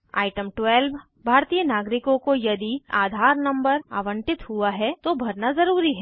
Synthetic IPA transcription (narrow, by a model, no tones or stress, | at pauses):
a̰ːɪʈə̃mʈwɛːlʋ | bʱaːɾt̪ijənaːɡɾɪkõkojɐd̪iaːd̪ʱaːɾnɐ̃mbəɾa̰ːʋə̃ɳʈɪt̪hʊaɦɛt̪obʱɐɾnazɐɾuːɾiɦɛː